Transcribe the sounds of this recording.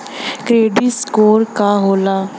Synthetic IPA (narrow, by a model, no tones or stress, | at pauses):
kɾeːɖiskoːɾkaːɦoːlaː